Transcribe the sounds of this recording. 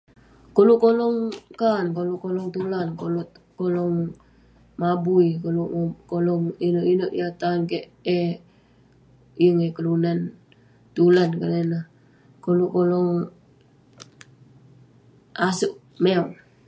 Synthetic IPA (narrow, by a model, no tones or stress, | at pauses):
koluʔkolɔŋkaːnkolukolɔŋt̪ulankolu | kolɔŋ | mabuikolukolɔŋinoʔinoʔjat̪ankeʔ | e | iəŋekəlunan | t̪ulankalena | kolukolɔŋ | asuʔ | meoŋ